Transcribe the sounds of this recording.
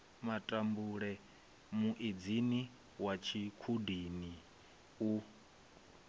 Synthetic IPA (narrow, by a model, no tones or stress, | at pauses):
matʼambuɺɛ | muʔid͡zini | wat͡ʃʰikʰudini | u